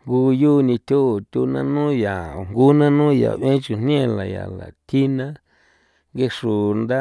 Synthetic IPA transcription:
ŋɡu˧juː˦˧nĩ˧t̪ʲu˦˨t̪ʲu˧nã̰˦nũː˦ja˨o˨ŋɡu˦nã˦nũ˦ja̰˨βẽ˦t͡ʃu˧n̥n˦ẽ˦˨la˨ja̰˨la̰˨t̪ʰi˦nã˦ | ŋɡe˧ʂu˨nd̪a˦

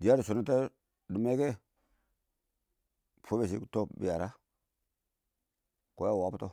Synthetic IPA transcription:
di˨ja˦ɾu˨su˨na˦ta˦ | du˨me˦ke˦ | pʰo˦be˨s̬ḭ˦˨to˦bḭ˨ja˨ɾa˦ | ko˨˦ja˦˨wa˨˦u˦to˦

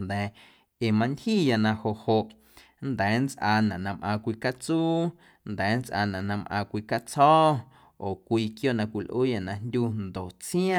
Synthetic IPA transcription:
nd̪ɛː˨ | e˨mã˧ntʲhiː˦˨ja˧nã˧ho˨ʔho˧˨ʔ | nd̪ɛː˨˦nt͡sʔaː˧nã˨nã˧mʔã˧kʷiː˧ka˦t͡suː˦ | nd̪ɛː˨˦nt͡sʔa̰˧nã˨nã˧mʔã̰ː˧kʷiː˧ka˦t͡sɔː˦ | oː˨kʷiː˧kjo˦ʔnã˧kʷi˨lʔuː˦ja˧˨nã˧ndʲu˦˧nd̪o˨ʔt͡sj̃ã˦

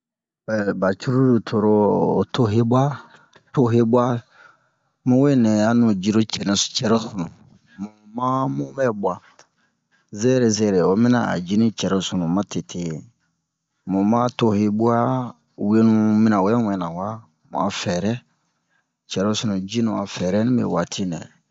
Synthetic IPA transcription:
ɛ˨ba˨t͡ʃu˦ɾu˦du˨tʰo˨ɾoː˦˨to˦ɦe˦bwa˦ | to˦ɦe˦ba˦ | mũ˦we˦nɛ˨a˦nũ˨d͡ʒi˧ɾo˦t͡ʃɛ˨nɛ̃˨st͡ʃɛ˨ɾo˦su˨nũ˨ | mũ˨mã˦mũ˦mɛ˦bu˨˦a˨ | zɛ˦ɾe˨zɛ˦˨ɾe˨o˦mĩ˦na˨a̰˨d͡ʒi˦nĩ˦t͡ʃɛ˨ɾo˦su˨nũ˨mã˦te˨tʰe˨ | mũ˨mã˦to˦he˦bu˦a˦ | we˦nũ˦mĩ˦nã˨wɛ˦ɛ̃˦wɛ̃˨nã˨wa˦ | mṵ̃˨a̰˨fɛ˨ɾɛ˦ | t͡ʃɛ˨ɾo˦su˨nũ˨d͡ʒi˦nũ˨a̰˨fɛ˨ɾɛ˦nĩ˦bḛ˨wa˨tʰi˦nɛ̰̃˨

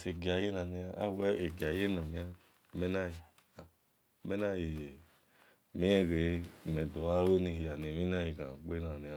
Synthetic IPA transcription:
se˨ɡi˨a˨je˦na˨ni˧a˧a̰˦wɛ˦e˨ɡa˨je˦na˨mĩ˧˦a˦ | mɛ˦na˦i˨ | a˨ | mɛ˦na˦˨ji˨ | mi˦ɛ˦ɡe˨˦˨mɛ˨do˨a˦wo˦ni˧hi˧ja˨ne˨mi˦n˦a˦ji˨kã̰˨k͡pe˦na˨ni˧a˧˨

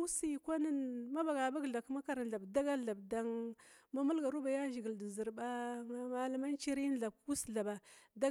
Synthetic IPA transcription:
si˦˨kʷa˦nə˦nma˦ba˨ɡa˨ba˦ɡɮa˨kma˦ka˨ɾa˨n˨ɮa˨bda˦ɡa˦ɮa˨bda˦ŋma˦mu˦lɡa˨ɾu˦ba˨ja˦ʒi˨ɡi˨ldi˨zi˨ɾba˦ŋa˦ma˦la˦ma˦nt͡ʃi˦ɾi˦n˦ɮa˨b̚ku˦sɮa˨ba˨da˦

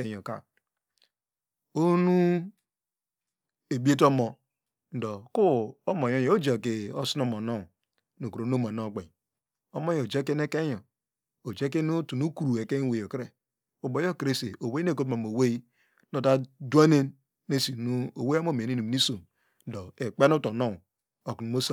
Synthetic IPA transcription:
e˦jo˨ka̰˨ | o˦nu˦ | e˨bi˦e˦t̬o˦mo˨ | n̩˨˦do˨ku˦o˦mo˨jo˦jo˨˦o˦d͡ʒe˨ke˨o˦su˦no˦˨mo˨no˦˨ | no˨ku˨ɾo˨n˦o˦mo˨no˦˨ɡ͡be˨ | o˦mo˦jd͡ʒe˦k̬e˦n˦e˦ke˦jo˨ | o˨d͡ʒe˦k̬e˦nu˦tu˨nu˦ku˨ɾu˨e˨ke˦we˨jo˨kɾe˦ | o˨bo˨jo˦ki˨ɾe˦se˨o˨we˦i˦e˦˨ko˦tma˨m˨o˨we˦i˦ | no˨da˦du˦a˦ne˦nː | e˦si˨nu˦o˨we˦a˦mo˦˨me˨i˦nu˨m˨ni˦so˨m | n̩˦do˨e˨k͡pe˦nu˦to˨no˦˨ | o˨knu˨mo˦sa˦

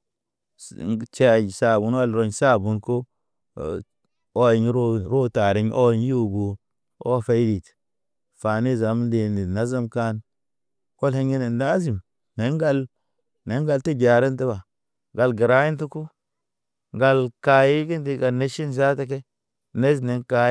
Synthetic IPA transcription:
t͡ʃe˨sa˨bu˨n˦wa˦lɾo˦ɲsa˦˨bu˦nko˦ | o˦ji˨ɲ˦ɾo˦ɾo˦ta˨ɾi˦ɲʔo˦ɲ˦u˦bu˨ | o˦fe˦jdi˨t | fa˨ni˦za˨m˦di˨ni˨na˦za˦mka˦n | ko˦lhe˦ŋɡe˦ne˨nda˦zi˨m | ne˨˦ŋɡa˦l | ne˨˦ŋɡa˨lti˦d͡ʒa˨ɾi˦nti˦ba˨ | ɡa˨lɡi˨ɾa˦ji˦ntu˦ku˦ | ŋɡa˨lka˨ji˦ɡi˦ndi˦˨ɡa˨ne˦ʃi˦nza˦te˦k̬e˦ | ne˦zne˨nka˨˦

